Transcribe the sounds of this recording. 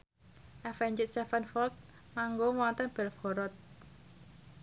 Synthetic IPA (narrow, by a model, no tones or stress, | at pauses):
ʔɛfɛɲd͡ʒɪt̪̚st̪ɛfanfɔlt̪̚ | maŋɡomɔnt̪ənb̥ɛlfɡɔɾɔt̪̚